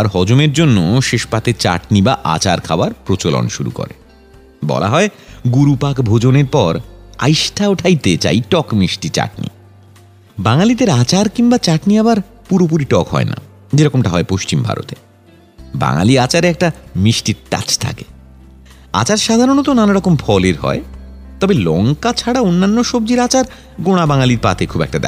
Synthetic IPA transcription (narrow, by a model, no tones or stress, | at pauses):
aɾɦɔd͡ʑomeɾd͡ʑonːoʃeʃpat̪et͡ɕa̰ʈnibaʔa̰t͡ɕaɾkʰaoaɾpɾot͡ɕolo̰nʃuɾṵko̰ɾe | bɔ̰la̰ɦɔeɡuɾupakbʱod͡ʑoneɾpɔɾa̰jʃʈʰaoʈʰajt̪et͡ɕa̰jʈɔkmiʃʈit͡ɕa̰ʈ̚nḭ | baŋalid̪eɾat͡ɕaɾkiŋbat͡ɕaʈniabaɾ | puɾop̬uɾiʈɔkɦɔ̰ena̰ | d͡ʑeɾɔkomʈaɦɔepoʃt͡ɕimbʱa̰ɾo̰t̪e | ba̰ŋa̰liat͡ɕaɾɛk̚ʈamiʃʈiɾta̰t͡ɕt̪ʰa̰ke̥ | a̰t͡ɕaɾʃad̪ʱaɾonot̪onanaɾɔkomfʰɔleɾɦɔ̰et̪ɔbelɔŋkat͡ɕʰaɽaonːanːoʃob̚d͡ʑiɾat͡ɕaɾ | ɡoɽ̃abaŋaliɾpa̰t̪ʰekʰubɛ̰k̚ʈad̪ɛ̰